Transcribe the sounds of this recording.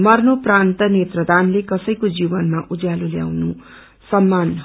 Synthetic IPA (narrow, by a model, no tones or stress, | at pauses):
mʌrnoprant̪ʌnet̪rʌd̪anlekʌsʌjkod͡zibʌnmaʔud͡zjalulja̰wnu | sʌmːan